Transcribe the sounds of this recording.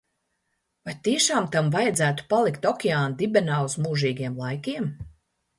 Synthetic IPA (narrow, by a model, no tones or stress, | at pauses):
vajt̪iɛʃaːmt̪amvajɛd̪zæːt̪u̥palˠikt̪ɔkʲɛaːnd̪ibɛnaːuzmuːʒiːɡʲiɛmlˠajkʲiɛm